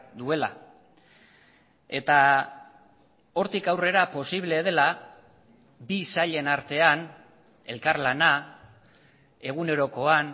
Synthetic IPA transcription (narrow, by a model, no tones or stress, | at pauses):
d̪ue̞la̰ | e̞t̪a | o̞ɾt̪ikawre̞ɾapo̞siβ̞le̞ð̞e̞la | bisaʎe̞naɾt̪e̞an | e̞lkaɾlana | e̞ɣ̞une̞ɾo̞ko̞an